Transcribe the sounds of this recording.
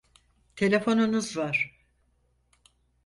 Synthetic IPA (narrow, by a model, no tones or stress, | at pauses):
t̪ʰe̞lʲe̞fo̞nunuzvaɾ̥